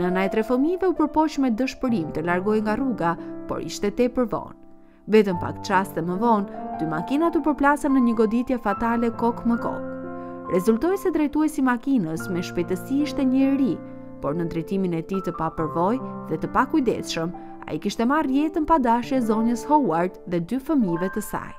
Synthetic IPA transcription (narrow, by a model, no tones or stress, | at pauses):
nənaɛt̪ɾɛfəmivɛupəɾpɔʃmɛd̪əʃpəɾimt̪əlaɾɡɔjŋɡaruɡapɔ̰ɾḭʃt̪ɛt̪ɛpəɾvɔ̰n | vɛt̪əmpa̰kt͡ʃast̪ɛməvɔnd̪yma̰kinat̪upəɾplasanːəɲəɡɔd̪it̪jɛfat̪alɛkɔkməkɔ̰k | ɾɛzult̪ɔjsɛd̪ɾɛjt̪uɛsimakinəsmɛʃpɛjt̪əsiiʃt̪ɛɲəɾi | pɔɾnənd̪ɾɛjt̪iminɛt̪it̪əpapəɾvɔjðɛt̪əpakujd̪ɛ̰sʃəm | a̰jikiʃt̪ɛmarjɛt̪ənpad̪aʃɛzɔɲəshɔwaɾt̪ðɛd̪yfəmivɛt̪əsa̰j